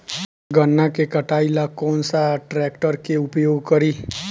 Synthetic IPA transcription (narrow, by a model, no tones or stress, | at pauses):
ɡənːakekəʈaːilakɔːnsaʈɾɛːkʈəɾkeʊpjoːɡkəɾiː